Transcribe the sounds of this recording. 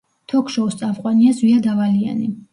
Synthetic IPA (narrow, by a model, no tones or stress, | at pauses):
t̪ʰɔkʰʃɔɔst̪sʼavqʼwaniazwiad̪avalia̰ni